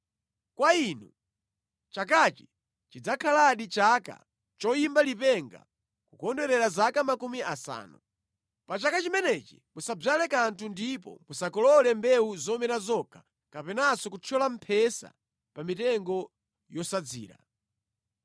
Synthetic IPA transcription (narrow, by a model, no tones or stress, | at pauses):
kwainu | t͡ʃak̬at͡ʃi̥ | t͡ʃid͡zakʰalaɗit͡ʃaka̰ | t͡ʃɔjimbalipɛŋɡa̰ | kukɔndɛɾɛɾazakamakumiʔasa̰ːnu | pat͡ʃakat͡ʃimɛnɛt͡ʃi̥musab͡ʐalɛkantʰundipɔ̰musakɔlɔlɛmbɛuzɔmɛnazɔkʰḁ | kapɛnasɔkut͡ʃʰɔlam̩pʰɛsa̰ | pamitɛŋɡɔ | jɔsad͡zḭːɾa̰